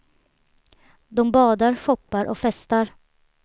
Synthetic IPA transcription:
d̪ɔmbɑːd̪aɾfɔpːaɾʔɔ̰kfɛst̪aɾ

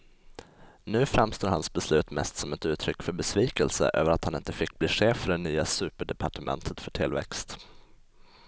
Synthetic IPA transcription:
nʉ̟ːfɾɛmst̪oːɾhansbɛslʉ̟ːt̪mɛ̰st̪sɔmɛt̪ʉ̟ːt̪ʰɾʏkːfœɾbɛsviːkəlsə̰ʔø̰ːvəɾat̪hanɪnt̪əfɪk̚ːbliːɧeːfœɖɛnyːasʉ̟ːpəɖɛpʰaʈəmʔɛ̰nt̪ʰət̪fœʈʰɪlvɛ̰kst̪

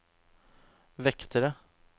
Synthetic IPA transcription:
ʋɛkt̪ʰəɾə

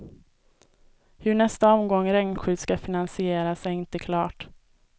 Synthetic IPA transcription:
hɵɳɛst̪aɔmɡɔŋːɾɛŋnɧʉ̟ːd̪skafɪnansɪeːɾasɛɪnt̪əkʰlɑːʈ

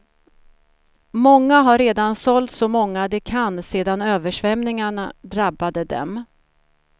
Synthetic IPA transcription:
mɔŋːaɦaɾɾeːd̪ansɔlt̪sɔmɔŋːad̪ɛkʰanseːd̪anøːvəʂvɛmnɪŋaɳad̪ɾabːad̪əd̪ɛ̰m

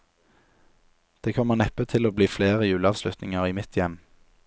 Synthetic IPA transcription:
d̪̥eːkʰɔmːəʁnɛpət̪ʰɪloːbliːfleːʁəjʉːlɑːʋslʉt̪nɪ̰ŋəʁiːmɪt̪ʰjɛm

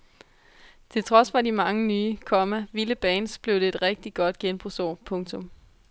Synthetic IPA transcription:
t͡sʰe̝lt͡sʰʁɒ̽sfɑ̈dimɑ̈ŋənyːkʰɒ̽mæʋiləb̥ɛːnsb̥le̝ʊd̥e̝ed̥ʁeɡ̥̚d̥iɡ̥ɒ̽d̥ɡ̥enb̥ʁusɒ̰ːpʰɔ̽ŋt͡sʰɔ̽m

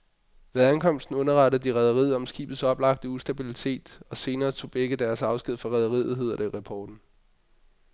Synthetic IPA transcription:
ʋe̝ðˠænkʰɒ̽m̰sd̥n̩ɔ̽nɐʁɑ̈ɾ̥əð̩ˠd̥iʁɛð̞ˠɐʁið̰ˠɒ̽msɡ̥ḭːb̥ð̩ˠsɒ̽b̥lɑ̈ɡ̥̚d̥əusd̥æb̥ilit͡sʰe̝̰ːd̥ɒ̽se̝ːnɐːt͡sʰo̝̰ːb̥eɡ̥əd̥æɐsɑ̈ʊsɡ̥ið̰ˠfɑ̈ʁɛðˠɐʁḭðð̩ˠɦe̝ð̞̰ˠɐd̥eʁɑpʰɒːd̥n̩

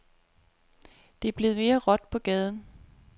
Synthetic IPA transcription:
d̥e̝ɐb̥le̝ð̞̩ˠme̝ːɐʁɒ̽d̥pʰɒ̽ɡ̥ɛːð̞ˠn̩

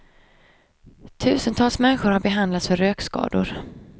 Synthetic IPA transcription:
t̪ʰʉ̟ːsənt̪ʰɑːlsmɛnɧʊɾhaɾbɛɦand̪lat̪sfœɾøːkskɑ̰ːd̪ʊɾ

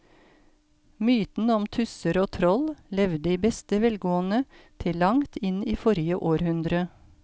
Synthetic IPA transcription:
myːt̪n̩ɔmt̪ʰʉsəɾoːt̪ʰɾɔllɛʋd̪iːbɛst̪əʋɛlɡoːənət̪ʰɪlːɑŋt̪ʰɪniːfɔɾjəʔoːɾhʉnd̪ɾə

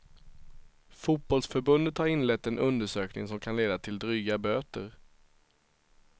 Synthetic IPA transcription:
fut̪̚bɔlsfœɾbɵnd̪ət̪haɾɪnlɛt̪ːɛnɵnd̪əʂøːknɪ̰ŋsɔmkʰanleːd̪at̪ʰɪld̪ɾyːɡabøːt̪əɾ

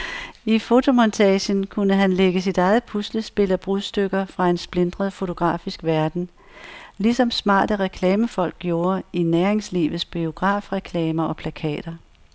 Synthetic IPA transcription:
ifo̝t͡sʰo̝mɒnt͡sʰɛːɕənkʰunəɦænleɡ̥əs̬id̥ɑ̈ɪð̩ˠpʰusləsb̥e̝lɐb̥ʁuðˠsd̥øɡ̥ɐfʁɑ̈e̝nsb̥le̝nd̥ʁɐð̩ˠfo̝t͡sʰo̝ɡ̥ʁɑ̰̈ːfisɡ̥ʋæɐd̥n̩ | lisɒ̽msmɑ̰̈ːd̥əʁɛkʰlɛːməfɒ̽l̰ɡ̥ɡjo̝ːɐinæɐeŋslḭːʋð̩ˠsb̥io̝ɡ̥ʁɑ̈ːfʁɛkʰlɛːmɐʔɒ̽pʰlækʰɛ̰ːd̥ɐ

